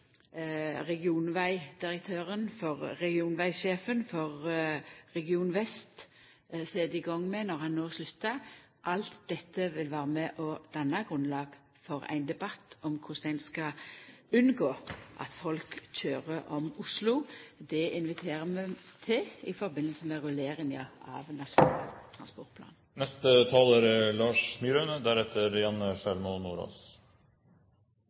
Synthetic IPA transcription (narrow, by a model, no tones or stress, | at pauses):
ʁɛɡɪuːnʋæɪd̪̥ɪʁək̚t̪ʰøːʁənfɔʁːɛɡɪuːnʋæɪʃeːfənfɔʁː | ɛɡɪuːnʋɛst̪ | sɛːd̪ɪɡɔŋːmɛnɔʁhɑnnːoːslʉt̪ːɑ | ʔɑlt̪d̪ɛt̪ːəʋɪlʋæːɾəmɛʔɔd̪̥ɑnːɑɡʁʉnlɑːɡ̥ | fɔɾæ̰ɪnd̪ɛbɑt̪ːɔmkʰʊsæɪnskɑʉnɡoːʔɑ̰t̪fɔlkc͡çøːʁəʔɔmʊslʊd̪ɛɪnʋɪt̪ʰeːʁəmɛt̪ʰɪlɪfɔɾbɪnːəlsəmɛʁʉleːɾɪŋəɑ̰ʋnɑsʊnːlt̪ʰʁɑnspɔʁt̪pʰlɑ̰ːn | nɛst̪ət̪ʰɑːləɾlɑːʂmyːɾønəd̪æɾɛt̪ʰːəɾjɑnːəʂælmɔnuːɾo̰ːs